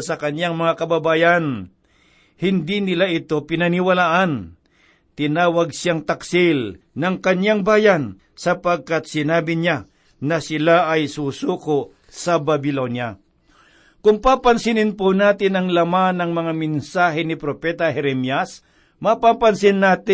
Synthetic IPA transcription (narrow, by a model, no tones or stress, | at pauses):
sɐkɐnjaŋmɐŋakɐbɐbaːjan | hɪnd̪inɪlaʔɪt̪o̞pɪnɐnɪwɐlaːʔɐn | t̪ɪnaːwɐɡ̚sjaŋt̪ɐksɪl | nɐŋkɐɲjaŋbaːjan | sɐpaɡ̚kat̪̚sɪnaːbɪɲa | nɐsɪlaʔɐjsusuːkoʔ | sɐbɐbɪlonja | kʊŋpapɐnsɪnɪnponaːt̪ɪnɐŋlɐmanɐŋmɐŋamɪnsaːɦɛnɪpɾopɛt̪ɐhɛɾɛmjas | mɐpapɐnsɪnːaːt̪ɪ